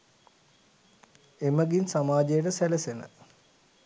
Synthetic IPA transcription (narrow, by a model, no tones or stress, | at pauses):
eməɡinsamaːd͡ʒejəʈəsælesenə̰